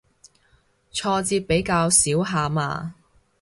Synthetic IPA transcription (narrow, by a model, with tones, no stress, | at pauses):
t͡ʃʰɔː˧t͡siː˧t̚pe˨˥jkaː˧wsiː˨˥wɦaː˧ma̰ː˧